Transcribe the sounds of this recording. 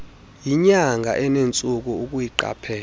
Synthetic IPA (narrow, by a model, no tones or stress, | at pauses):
jiɲaŋɡʱa̰ʔɛnent͡sʼuk̬uuk̬ʼujiǃa̰pʰɛːla